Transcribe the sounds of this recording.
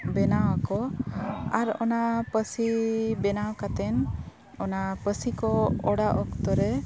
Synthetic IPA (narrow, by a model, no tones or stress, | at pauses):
bɛnawakɔ | aɾɔ̰napəsibɛnawkat̪ɛn | ɔnapəsikɔɔɽaʔɔkt̪ɔɾɛ